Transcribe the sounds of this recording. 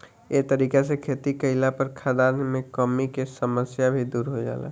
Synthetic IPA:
et̪əɾiːkesekʰeːt̪ikəɪlapəɾkʰad̪aːɾnmẽkɔmikesəməsjabʱid̪uːɾɦod͡ʒa̰ːla̰ː

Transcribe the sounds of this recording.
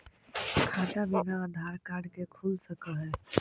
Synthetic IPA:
kʰaːt̪abɪnaaːd̪ʱaːɾkaːɽkekʰuːlsɐkaɦɛː

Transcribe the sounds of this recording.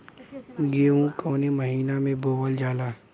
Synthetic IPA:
ɡeːũkoːneməɦiːnamẽboːwəld͡ʒaːlaː

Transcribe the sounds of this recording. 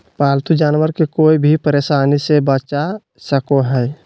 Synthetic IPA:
paːlt̪ud͡ʒaːnʋəɾkekoːibʱipəɾeːʃaːnisebət͡ʃa | səkoɦɛː

